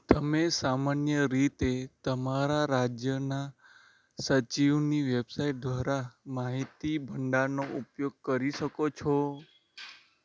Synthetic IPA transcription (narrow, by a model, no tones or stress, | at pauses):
t̪əmesamanjəɾit̪et̪əmaɾaɾad͡ʒjəna | sət͡ʃiʋniʋebsaiʈ̚d̪ʋaɾamaɦit̪ibʱəɳɖanoʔupjoɡ̚kəɾiʃəkot͡ʃʰɔ